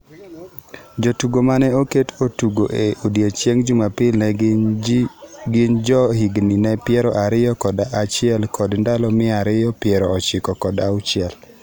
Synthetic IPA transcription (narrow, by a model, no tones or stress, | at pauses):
d͡ʒotuɡomanɛoketʰotuɡoʔeodjet͡ʃeŋd͡ʒumapɪlnɛ | ɡɪnd͡ʒɔhiɡninɛpjɛɾɔʔaɾɪjɔkɔdaʔːt͡ʃɪɛlkɔdndalɔmɪaɾɪjɔpjɛɾɔɔt͡ʃɪkɔkɔdaʊt͡ʃɪɛl